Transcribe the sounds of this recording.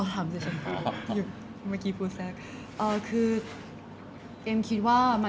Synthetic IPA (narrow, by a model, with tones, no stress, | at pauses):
t̪ʰaː˩˦mt͡ɕa˨˩t͡ɕʰa˧nkʰu˧˩˧ju˨˩ | maː˥˩kiː˧pʰuː˧sɛː˦˥k̚ | ʔɤː˧kʰɯː˧ | ʔeː˧mkʰi˦˥t̪̚waː˥˩ma˧